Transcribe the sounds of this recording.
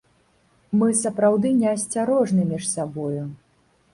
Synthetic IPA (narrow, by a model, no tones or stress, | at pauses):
mɨsɐpɾawd̪ɨnʲɛɐsʲt͡sʲaɾɔʐnɨmʲiʂsabɔju